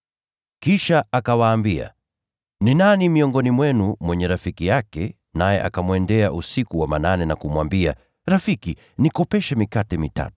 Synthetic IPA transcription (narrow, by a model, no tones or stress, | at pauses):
kiʃaakawaːmbia̰ | ninanimiɔŋɡɔnimwɛnumwɛɲɛɾafikijakɛ | najɛ̰ʔa̰kamwɛndɛaʔusikuwamananɛnakumwambia̰ | ɾafiki | nikɔpɛʃɛmikatɛmita̰tu̥